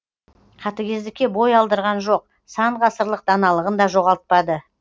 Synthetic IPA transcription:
qʰɑt̪əkʲʰe̞zd̪ɪkʲːe̞bo̞jɑlˠd̪əɾʁɑnʒo̞q̚ | sɑɴʁɑsəɾlˠəq̚d̪̥ɑnɑlˠəʁənd̪ɑʒo̞ʁɑlˠt̪̚pɑd̪ə

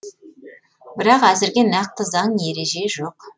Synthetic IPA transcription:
bɪɾɑqæzɪɾɡʲe̞nɑq̚t̪əzɑɴje̞ɾe̞ʒe̞ʒoq

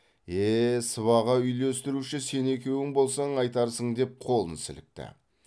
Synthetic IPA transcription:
esəβɑʁɑʏjlest̪ɪɾuʃɪse̞ne̞kʲe̞wɪŋbo̞lˠsɑɴɑjt̪ɑɾsəɴd̪e̞p̚qʰo̞lˠənsɪ̰lɪ̰k̚t̪ɪ̰

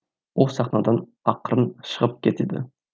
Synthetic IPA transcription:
wolˠsɑχnɑd̪ɑn | ɑqɾənʃəʁəp̚kʲʰet̪ed̪ɪ̰

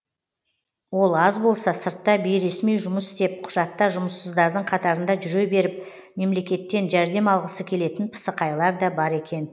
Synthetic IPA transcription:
wo̞lˠɑzbo̞lˠsɑsəɾt̪ːɑbejɾe̞smijʒʊməsɪ̥st̪e̞p̚qʰʊ̥ʒ̥ɑt̪ːɑʒʊməsːəzd̪ɑɾd̪əɴqʰɑt̪ɑɾənd̪ɑʒʏɾe̞be̞ɾɪp̚ | me̞mle̞kʲe̞t̪ːe̞nʒæɾd̪e̞mɑlˠʁəsəkʲʰe̞le̞t̪ɪnpʰə̥səqɑjlˠɑɾd̪ɑbɑɾe̞kʲe̞n

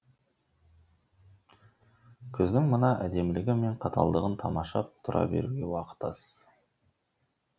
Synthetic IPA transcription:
kʲʰɵzd̪ɪŋmənɑʔæd̪e̞mlɪɡʲɪme̞ɴqʰɑt̪ɑ̰lˠd̪əʁənt̪ʰɑmɑʃɑp̚t̪ʰʊɾʔɑ̰be̞̰ɾuɡʲe̞wɑqə̥t̪ɑ̰s

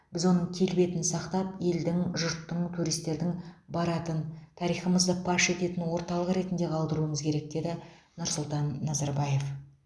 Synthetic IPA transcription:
b̥ɪzwo̞nəɴkʲʰe̞lbe̞t̪ɪnsɑqt̪ɑpe̞ld̪ɪŋʒʊɾt̪ːəɴt̪ʰuɾijst̪e̞ɾd̪ɪŋbɑɾɑt̪ənt̪ʰɑɾijχəməzd̪əpʰɑʃe̞t̪e̞t̪ɪnwo̞ɾt̪ɑlˠəqɾe̞t̪nd̪e̞qʰɑlˠd̪əɾuəməzkʲʰe̞ɾek̚d̪e̞d̪ɪ | nʊɾsʊlˠt̪ɑnːɑzɑɾbɑje̞f

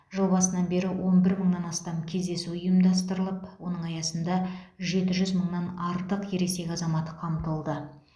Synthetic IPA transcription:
ʒolˠbɑsənɑnbe̞ɾɪwʔo̞nbɪɾməɴnɑnɑst̪ɑmkʲʰe̞zd̪e̞suʊjəmd̪ɑst̪əɾəlˠəpwo̞nəɴɑjɑsənd̪ɑʒe̞t̪ɪʒʏzməɴnɑnɑɾt̪əqje̞ɾe̞kse̞kʲɑzɑmɑt̪əqʰɑmt̪əlˠd̪ə

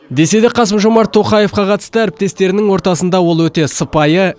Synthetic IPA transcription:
d̪e̞se̞d̪ɪqʰɑsəmʒo̞mɑɾt̪ʰːo̞qɑje̞fqɑqʰɑt̪ə̥st̪əæɾɪp̚t̪e̞st̪e̞ɾɪnɪŋwo̞ɾt̪ɑsənd̪ɑwo̞lˠwɵt̪e̞səpɑjə

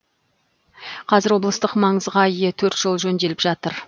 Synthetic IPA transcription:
qʰɑzɪɾwo̞blˠəst̪əqmɑɴəzʁɑijet̪ʰɵɾt̪ʒ̥olˠʒɵnd̪e̞lɪpʒɑt̪əɾ

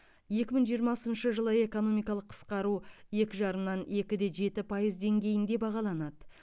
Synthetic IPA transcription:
je̞kʲɪməɴʒijəɾmɑsənʃəʒəlˠəe̞ko̞no̞mijkɑlˠəqʰːə̥sqɑɾuje̞kʲɪʒɑɾəmnɑne̞kʲɪd̪e̞ʒe̞t̪ɪpʰɑjəzd̪e̞ŋɡʲe̞jɪnd̪e̞bɑʁɑlˠɑnɑd̪ə

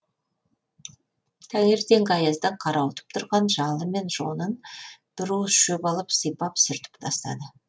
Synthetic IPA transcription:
t̪ʰæneɾt̪e̞ŋɡʲɑjɑzd̪ɑqʰɑɾʔɑwət̪ə̥p̚t̪ʰʊɾʁɑnʒɑlˠəme̞nʒ̥o̞nənd̪̥ɪɾusʃɵpɑlˠəpsəjpɑpsʏɾt̪ɪ̥pt̪ʰɑst̪ɑ̰d̪ə

